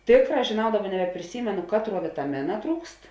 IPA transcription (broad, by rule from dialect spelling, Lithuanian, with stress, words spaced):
ˈtʲeːkˌrɑː ʒʲeːˈnɐʊ ˈdɑːˌbɐ nʲɛbʲɛpʲrʲɪˈsʲiːmʲɛnʊ ˈkɑːtˌruɔ ʋʲɪtɐˈmʲɪnɐ ˈtruːkst